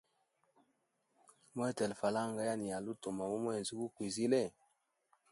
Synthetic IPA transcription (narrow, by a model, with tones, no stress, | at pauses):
mɔ˦ɛ˦tɛ˨lfa˨la˦˨ŋɡa˦ja˦ni˨ja˨lu˦to˨ma˨mo˦mɔ˦ɛ˨zi˦bu˦kwi˨zi˦lɛ˦˨